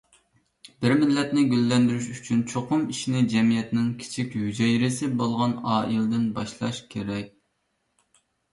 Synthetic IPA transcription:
bɪɾmɪlːɛt̪nɪɡʲølːɛnd̪yɾyʃyt͡ʃʰynt͡ʃʰoqʊmiʃinɪd͡ʒɛmijɛt̪nɪŋkʲʰi̥t͡ʃʰikʲhyd͡ʒɛjiɾɪsɪbolˠʁɑnɑːilˠd̪ɪnbɑʃlˠɑʃkʲʰeɾɛk̚ʲ

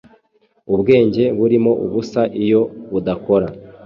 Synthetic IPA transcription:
ubɡe̞ːɲɟe̞βuɾimo̞ʔuβusaʔijo̞βudako̞ɾa

